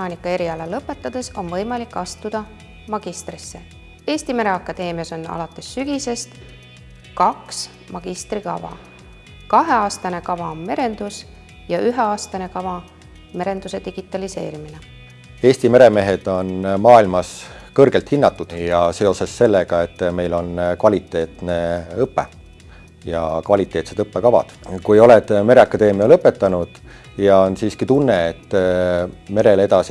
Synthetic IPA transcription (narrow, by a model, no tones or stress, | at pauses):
ɑːnʲikˑːɑe̞ɾiɑlɑlɤpːˑe̞t̪ˑːɑd̪̥e̞so̞nvɤjmɑlikːɑst̪ud̪̥ɑ | mɑɡ̥ist̪risːe̞ | e̞ːsʲt̪ime̞ɾe̞ɑkːˑɑd̪̥e̞ːmiɑso̞nɑ̰lɑt̪ːˑe̞sːyɡ̥ise̞st̪ | kɑks | mɑɡ̥ist̪rikɑ̰vɑ̰ | kɑɦe̞ɑːst̪ɑne̞kɑvɑme̞ɾe̞nd̪̥us | jɑʔyɦe̞ɑːst̪ɑne̞kɑvɑ | me̞ɾe̞nd̪use̞d̪iɡ̥it̪ːˑɑlise̞̰ːɾimine | e̞ːsʲt̪ime̞ɾe̞me̞ɦe̞d̪̥o̞nmɑːilmɑskɤrɡ̥elt̪hinːɑt̪ːˑud̪̥jɑse̞o̞sesːe̞lːeɡ̥ɑe̞t̪ːme̞jlo̞nkvɑlʲit̪ːˑe̞ːt̪ne̞ɤpːe | jɑ̰kvɑlit̪ːˑe̞ːt̪sed̪ɤpːekɑvɑ̰d̪̥kujo̞led̪̥me̞ɾeɑkːɑd̪e̞ːmiɑlɤpːˑet̪ːˑɑnud̪̥ | jɑonsiːskit̪unːe̞et̪ː | me̞ɾe̞le̞d̪̥ɑsi